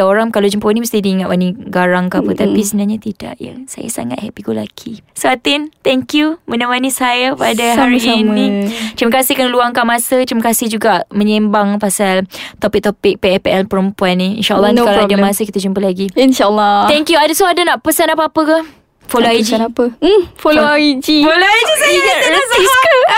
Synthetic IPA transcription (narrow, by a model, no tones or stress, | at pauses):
oɾaŋkalawd͡ʒumpəaniməst̪ihdiːŋat̪ʔwaniɡaɾaŋkapət̪apisəbənaɲat̪ida̰ʔja̰sa̰ja̰sa̰ŋat̪hɛpiɡula̰kʰisoat̪ɪnt̪ɛŋkjumənawanisajapadaɦaɾinnĩt̪ɾiməkasɪhkanluaŋkamãsət̪ɾiməkasɪhd͡ʒuɡaʔmə̃ɲembaŋpasalt̪opɪk̚t̪opɪk̚peɛpeʔɛlpəɾəmpuanːiḭnʃaʔəlːɔnadəmãsəkit̪ad͡ʒumpəlaɡiinʃalːɔt̪ɛŋkjuadasuadanaʔpəsanapəapəka | foloaid͡ʒipəfoloaid͡ʒifoloid͡ʒiiɡaəsiskə